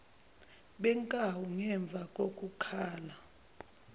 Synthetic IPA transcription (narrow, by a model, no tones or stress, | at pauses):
ɓɛŋkʼawuŋɛɱb̪vʱakʼokʼukʰaːla